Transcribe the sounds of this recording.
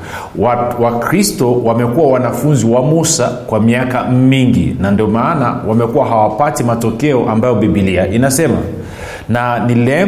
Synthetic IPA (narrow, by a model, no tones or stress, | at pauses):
wawakɾistɔwamɛkuwawanafunziwamusa̰kwamiakamiŋɡḭnandiɔmaːnawamɛkuwaɦawapatimatɔkɛɔʔambajɔɓiɓiliaʔinasɛma̰ | nanilɛ